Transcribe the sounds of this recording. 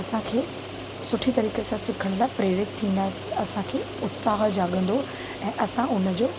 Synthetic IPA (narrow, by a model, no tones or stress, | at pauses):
ɐsãkʰeː | sʊʈʰit̪ɐɾiːkesãsɪkʰəɽ̃laːɪpɾeːɾɪt̪t̪ʰːĩːnd̪aːsiɐsãkʰeː | ʊt̪saːɦd͡ʑaːɠə̃nd̪o | ɛ̃ːʔɐsãʊnə̆d͡ʑoː